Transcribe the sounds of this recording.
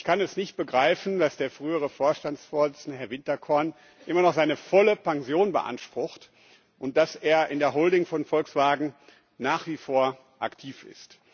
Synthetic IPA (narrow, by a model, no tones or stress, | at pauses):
ʔɪçkʰanɛsnɪçt̚b̥əɡʁaɪfn̩dasd̥eːɐfʁ̥yːəʁ̞əfoːɐʃtansfoːɐzɪt͡sɪndəɦɛɐvɪntɐkʰɔɐn | ʔɪmɐnɔχz̥aɪnəfɔləpaŋzjoːnbə̰ʔa̰nʃpʁ̥ʊxt | ʔʊnt̚d̥aseːɐʔɪndeːɐɦoːldɪŋfɔnfɔlksv̥aːɡŋ̩ | naːχv̥iːfoːɐ | ʔa̰ktʰiːfɪ̰st